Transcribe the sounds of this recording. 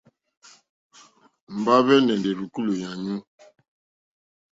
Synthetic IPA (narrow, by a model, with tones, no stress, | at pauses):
m̩˨ba˦βɛ˦nɛ˨ndɛ˨ɾu˨ku˦lo˨ja˨ɲũ˦